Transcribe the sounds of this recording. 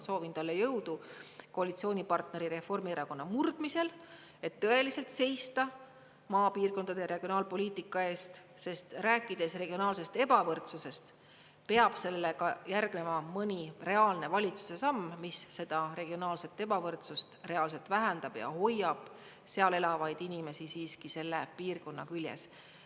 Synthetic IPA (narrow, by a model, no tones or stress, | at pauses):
so̞ːvint̪ɑlːejɤwd̪̥uko̞ɑlit̪sio̞ːnʲipɑrt̪ne̞ɾiɾe̞fo̞rmieɾɑko̞nːɑmurd̪̥mise̞l | e̞t̪ːɤe̞lise̞lt̪se̞jst̪ɑ | mɑːpiːrko̞nd̪ɑd̪̥e̞ɾe̞ɡ̥io̞nɑːlpo̞liːt̪ˑikːˑɑe̞ːst̪ | se̞st̪ræːkˑːid̪̥e̞sre̞ɡ̥io̞nɑːlse̞st̪e̞b̥ɑvɤrt̪suse̞st̪ | pe̞ɑb̥se̞lekɑjærɡ̥ne̞mɑmɤnʲire̞ɑːlne̞vɑlʲit̪su̥se̞sɑmːmisːe̞d̪̥ɑɾe̞ɡ̥io̞nɑːlse̞t̪ːˑe̞bɑvɤrt̪sust̪re̞ɑːls̬e̞lt̪væɦænd̪̥ɑb̥jɑ̰ho̞jːɑb̥ | se̞ɑle̞lɑvɑjd̪̥inʲime̞sisiːskise̞lːe̞piːrko̞nːɑkylʲjḛs